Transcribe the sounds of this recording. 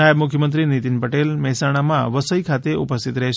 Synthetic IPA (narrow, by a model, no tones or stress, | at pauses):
ajəbmʊkʰjəmənt̪̬ɾinit̪inpəʈelmɛɦɛsaɽ̃amãʋəsəikʰat̪eʔupəst̪ʰit̪ɾɛɦʃ